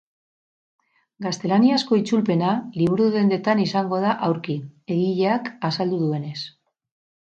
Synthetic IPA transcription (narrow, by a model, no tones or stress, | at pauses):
ɡast̪e̞laniasko̞it͡sulpe̞naliβ̞uɾuðe̞nd̪e̞t̪anisaŋɡo̞ð̞aʔawɾkie̞ɣiʎeakasald̪uðue̞ne̞s